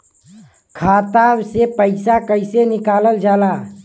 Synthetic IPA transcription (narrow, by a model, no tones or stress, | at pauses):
kʰaːt̪absepəɪsakəɪsenɪkaːləld͡ʒaːla